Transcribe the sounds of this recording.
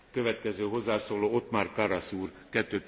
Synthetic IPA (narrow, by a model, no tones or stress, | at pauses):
kø̞vɛt̪kɛzøːɦo̞zːaːsoːloːo̞t̪maːrkɒɾɒsuːrkɛt̪ːøː